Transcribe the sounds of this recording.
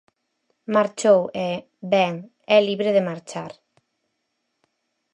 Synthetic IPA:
maɾt͡ʃowe | bɛŋ | ɛliβɾeðemaɾt͡ʃaɾ

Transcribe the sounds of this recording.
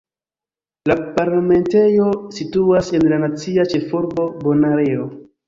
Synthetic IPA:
lapaɾlame̞nte̞jo̞situase̞nlanat͡siat͡ʃe̞fuɾbo̞bo̞naɾeo

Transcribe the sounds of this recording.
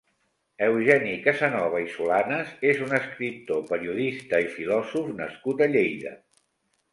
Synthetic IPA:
əwʒɛnikəzənɔβ̞əisulanəzezunəskɾip̚t̪opəɾiuðist̪əifilɔzufnəskut̪əʎejðə̰

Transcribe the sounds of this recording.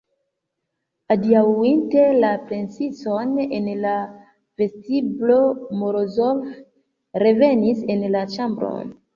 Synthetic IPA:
adiawinte̞lapɾe̞nsiso̞ne̞nla | ve̞stiblo̞moɾozov | ɾe̞ve̞nise̞nlat͡ʃambɾo̰n

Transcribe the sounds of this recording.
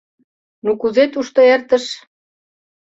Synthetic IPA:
nukuzet̪uʃt̪oert̪ə̆ʃ

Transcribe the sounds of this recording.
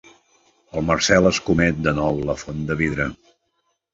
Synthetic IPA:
əlˠməɾsɛləskumɛt̪̚d̪ənɔwləfond̪əβiðɾə

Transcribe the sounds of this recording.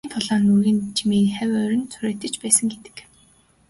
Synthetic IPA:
nt̪ʰʊɮɔːnuɣiːnt͡ɕʰimiːχæwʲœɾʲɪ̆nt͡sʰuɾeːt̪ɘ̆t͡ɕpæːsə̆ŋɡet̪ɘ̥̆k

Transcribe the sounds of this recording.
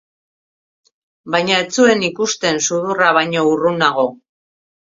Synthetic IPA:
bajɲae̞t͡sue̞nikust̪e̞nsuðuraβajɲo̞urunaɣo̞

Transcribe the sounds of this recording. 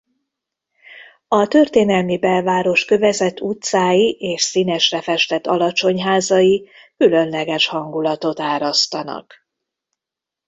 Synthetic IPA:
ɒt̪ø̞rt̪eːnɛlmibɛlvaːɾo̞ʃkø̞vɛzɛt̪ːut̪saːjiʔeːʃsinɛʃrɛfɛʃt̪ɛt̪ːɒlɒt͡ʃo̞ɲɦaːzɒji | kylø̞nlɛɡɛʃhɒŋɡulɒt̪o̞t̪aːɾɒst̪ɒnɒ̰k

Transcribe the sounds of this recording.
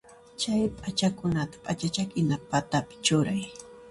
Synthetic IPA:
t͡ʃajpʼat͡ʃakʊnat̪ḁpʼat͡ʃat͡ʃakɪnapat̪apɪ̥t͡ʃʊɾaj

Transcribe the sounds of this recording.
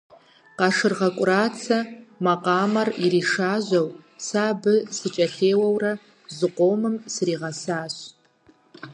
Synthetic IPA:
qɑʂɨrʁɐkʷʼraːt͡sʰɐmaqɑːmɐririʂaːʒʷɐwsaːbɨsɨt͡ʃʼɐɬeːwɐwrɐ | zɨqʷomɨmsriːʁɐsaːɕ

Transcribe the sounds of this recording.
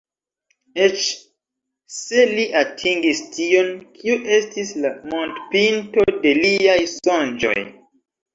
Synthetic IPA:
et͡ʃ | se̞liʔatʰiŋɡistio̞nkʰiuʔe̞stislamontpinto̞de̞liajsond͡ʒo̞̰j

